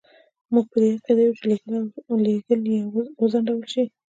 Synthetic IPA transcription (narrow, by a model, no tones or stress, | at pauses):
muɡ̚pəd̪ehakad̪ajut͡ʃeleɡlleɡəljawəzaɳɖawəlʃi